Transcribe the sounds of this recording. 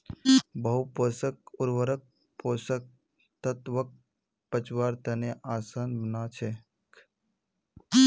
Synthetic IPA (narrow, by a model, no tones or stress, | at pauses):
bəɦupoːsək̚ʊɾʋəɾək̚ | poːsək̚ | t̪ət̪ʋək̚ | pət͡ʃwaːɾt̪əneʔaːsaːnbənaːt͡ʃʰe | k